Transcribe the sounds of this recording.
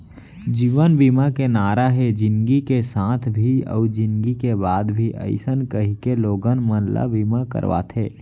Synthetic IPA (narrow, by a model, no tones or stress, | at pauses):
d͡ʒiːʋənbiːmakenaːɾaɦed͡ʒɪnɡikesãːt̪ʰbʱiɔ̰ːd͡ʒɪ̃nɡikebaːd̪bʱiʔə̰ɪsənkəɦikeloːɡənmənla̰biːmakə̰ɾʋa̰t̪ʰeː